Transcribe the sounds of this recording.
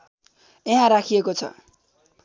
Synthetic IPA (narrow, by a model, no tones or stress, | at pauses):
eɦãɾakʰiekot͡sʰʌ̰